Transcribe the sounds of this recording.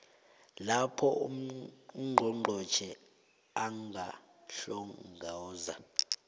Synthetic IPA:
lapʰɔ | ŋ͡ǃʱɔŋ͡ǃʱɔ̥t͡ʃʰɛ | aŋʱa | ɬɔŋɡʱaza

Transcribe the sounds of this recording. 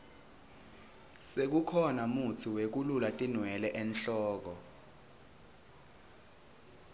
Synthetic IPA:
sek̬ukʰɔnamut͡sʰiwek̬ululatʼinwɛlɛʔɛnɬɔːk̬ɔ

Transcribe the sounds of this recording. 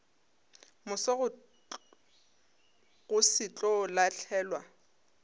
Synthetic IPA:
mʊsɔɣʊ | ɣʊsɪt͡ɬʼɔlat͡ɬʰɛːlwa

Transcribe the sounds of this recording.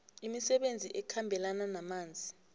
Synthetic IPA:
imisɛɓend͡zʱiʔɛkʰambʱɛlananamaːnd͡zʱi

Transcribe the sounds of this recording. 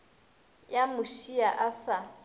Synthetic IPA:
jamʊʃiaʔasa

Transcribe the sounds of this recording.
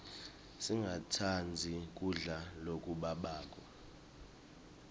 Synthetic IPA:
siŋɡʱatʰand͡zʱik̬ʼuɮalokʼuɓaɓaːk̬ʼa

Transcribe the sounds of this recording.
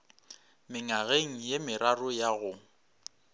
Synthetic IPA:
mɪŋaɣeŋ̩jemɪɾarʊjaɣʊ

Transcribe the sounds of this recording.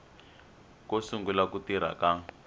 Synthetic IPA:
kosuŋɡulakutiɾ̤a̰ka

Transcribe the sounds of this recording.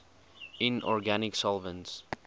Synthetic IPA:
ɪ̃nɔ̰ɹɡanɪksɔlˠvə̃nts

